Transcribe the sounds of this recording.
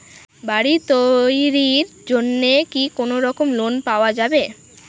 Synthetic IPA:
baɽit̪ojɾiɾ | d͡ʑonːekikonoɾɔkomlonpaoad͡ʑabe

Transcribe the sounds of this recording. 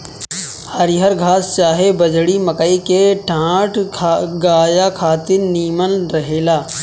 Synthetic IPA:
həɾɪɦəɾɡʱaːst͡ʃaːɦebɐd͡ʒɽimɐkəikeʈʰãːʈʰɡaːjakʰaːt̪ɪɾniːmənɾɐɦeːlaː

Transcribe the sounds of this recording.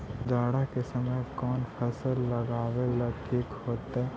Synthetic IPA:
d͡ʒaːɽakesɐməjkɔːnpʰɐsəlːɐɡaːwelɐʈʰiːkhoːt̪ɛ

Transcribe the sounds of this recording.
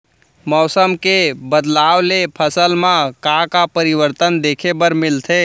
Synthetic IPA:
mɔːsəmkebəd̪laːwlepʰəsəlmãkãkapəɾiʋəɾt̪ənd̪ekʰebəɾmɪlt̪ʰe

